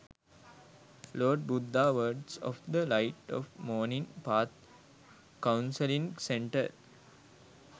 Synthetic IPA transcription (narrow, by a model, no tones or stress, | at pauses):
loːɖ̚bud̪ːaːʋəɖsɔ̰fd̪əlaɪʈɔ̰fmɔːnĩŋpaːt̪ | kãʊ̃nsəlĩŋsẽɳʈə̰ɾ